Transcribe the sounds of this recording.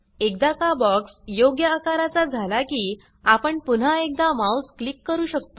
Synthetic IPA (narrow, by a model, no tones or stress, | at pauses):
ek̚d̪akabɔksjoɡjəakaɾat͡sad͡zʱalakiː | apəɳpun̤aek̚d̪amausklikːəɾuːɕək̚t̪o